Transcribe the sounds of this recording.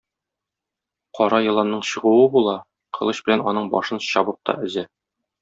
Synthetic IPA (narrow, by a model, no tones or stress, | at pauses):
qʰɒɾɑjɤ̆lˠɑnːɤɴɕɤ̆ʁuwɤbulˠɑ | qʰɤ̆lˠɤɕbɘ̆lænɒ̰nɤɴbɒʃɤnɕɒbɤp̚t̪ʰɒ̰ɵ̆zæ